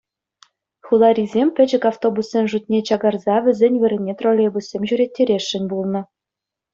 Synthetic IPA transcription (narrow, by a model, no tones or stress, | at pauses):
xulˠɑɾʲizʲemʲpʲɘ̆d͡ʑɘ̆kaft̪obusːʲenʲʐut̪̚ʲnʲet͡ɕɑɡɑrzɑʋʲɘ̆zʲenʲʋʲɘ̆ɾʲɘ̆nʲːet̪rolʲebusʲːemʲʑyɾʲet̚ʲːeɾʲeʃːɘ̆nʲbulˠnɤ̆